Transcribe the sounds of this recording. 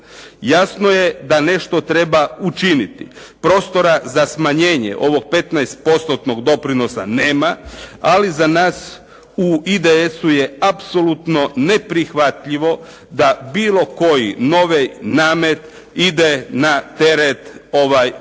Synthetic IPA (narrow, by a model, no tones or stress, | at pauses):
jasno̞je̞d̪ane̞ʃt̪o̞t̪ɾe̞baut͡ʃinit̪ḭpɾo̞ːst̪o̞ɾazasmaɲe̞ːɲḛʔo̞ʋo̞ɡ̚pe̞t̪najst̪̚po̞st̪ot̪noɡd̪o̞pɾino̞sa̰ne̞ːmaalizanaːs | uid̪eesuje̞apso̞lut̪no̞ne̞pɾixʋat̪ʎiʋo̞ | d̪abiːlˠo̞ko̞jḭno̞ʋejnaːmet̪ | id̪enat̪e̞ɾet̪o̞ʋaj